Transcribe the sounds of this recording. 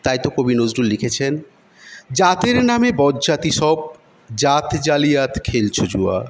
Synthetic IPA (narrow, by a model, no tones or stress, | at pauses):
t̪ajt̪okobinozɖullikʰet͡ɕʰen | d͡ʑat̪eɾnamebɔdd͡ʑat̪iʃɔb̚ | d͡ʑat̪d͡ʑalijat̪kʰelt͡ɕʰod͡ʑua̰